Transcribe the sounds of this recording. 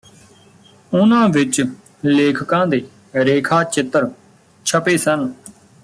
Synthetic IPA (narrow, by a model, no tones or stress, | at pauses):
ʊnãːʋɪt͡ʃ | leːkʰkãːd̪eː | ɾeːkʰaːt͡ʃɪt̪ːəɾ | t͡ʃʰəpeːsən